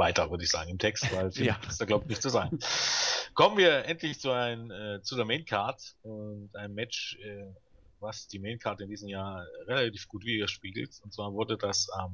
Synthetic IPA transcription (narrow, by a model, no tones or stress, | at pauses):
vaɪtɐvʏɐdəɪçz̥a̰ːɡŋ̩ɪmtʰɛkstvaɪlfidasd̥aɡlaʊp̚tnɪçtt͡suzaːɡŋ̩ | kʰɔmənviːɐʔɛntʰlɪçt͡suaɪnəɛːt͡sudeːɐmeɪnkʰaɐtʊntʔaɪnəmːɛt͡ʃɛ | vasd̥iːmeɪːnkʰaɐtəɪndiːzəm̩jaːɐʁelatiːfɡ̥uːtv̥iːɡɐʃpiːɡl̩tʊntt͡sv̥aːɐvʊɐdədasʔam